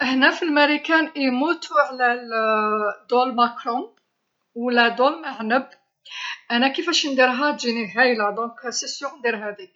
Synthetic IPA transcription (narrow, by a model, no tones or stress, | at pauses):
ʔəħnæfilmæɾikænʔimut̪ʰuʕlæ | d̪olmakɾɔ̃ | wlæd̪olmaʕnəb | ʔænækifæʃnd̪iɾɦæt̪ʒiniɦæjlæd̪ɔ̃ksisjɔ̃nd̪iɾɦæd̪i